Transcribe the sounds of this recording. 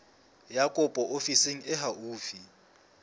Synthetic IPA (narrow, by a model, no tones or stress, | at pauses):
jakʼɔpʼɔʔofiseŋ̩ɛɦauːfi